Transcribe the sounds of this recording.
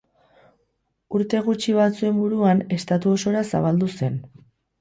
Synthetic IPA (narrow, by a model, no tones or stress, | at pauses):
uɾt̪e̞ɣ̞ut͡ʃiβat͡sue̞mbuɾuane̞st̪at̪uo̞so̞ɾasa̰βald̪use̞n